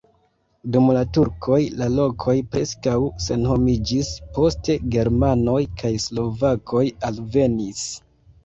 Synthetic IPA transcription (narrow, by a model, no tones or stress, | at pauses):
dumlatuɾkʰo̞jlalo̞kʰo̞jpɾe̞skawse̞nho̞mid͡ʒispo̞ste̞ɡe̞ɾmano̞jkʰajslo̞vakʰo̞jalve̞nis